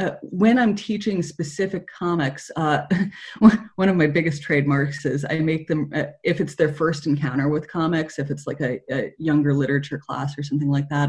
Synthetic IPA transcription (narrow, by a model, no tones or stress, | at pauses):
ʌwɨ̃nãɪ̃mtʰit͡ʃɪ̃ŋspɨsɪfɨkʰːɑmɨksʌ | wʌ̃ɾ̃ʌvmaɪbɪɡɨstʰɹ̥eɪd̚mɑɹksɪza̰ɪmeɪk̚ðɨ̃mʌɪfɨtsðə˞fɜ˞stn̩kʰãʊ̃ɾ̃ə˞wɪð̥kʰɑmɨksɨfɨtslaɪkɨɨjʌ̃ŋɡə˞lɪɾə˞ɨt͡ʃə˞kʰl̥æ̰sə˞s̬ʌ̃mθɪ̃ŋlaɪk̚ðæt̚